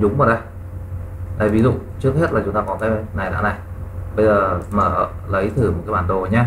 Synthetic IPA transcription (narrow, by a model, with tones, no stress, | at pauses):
zʊ˨˦ŋ͡mməː˨˩ɗə˧˩j | ɗ̪a̰ː˧˨˩vi˨˦zṵ˧˨t͡ɕɨ˦˥ək̚ɦe˦˥t̚laː˨˩t͡ɕʊ˨˦ŋ͡mt̪aː˧kɔ˨˦t̪aː˧na˨˩jɗa̰ː˧˥na˨˩j | ɓə˧jzəː˨˩məː˧˩˧ | lə˨˦jt̪ʰɨː˨˧˩m̚˨˩ka˨˦jɓaː˧˩nɗo˨˩ɲaː˧